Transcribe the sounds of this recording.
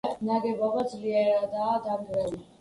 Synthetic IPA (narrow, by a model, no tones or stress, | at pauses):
χnaɡɛbavad̪zliɛɾad̪aːd̪aŋɡɾɛli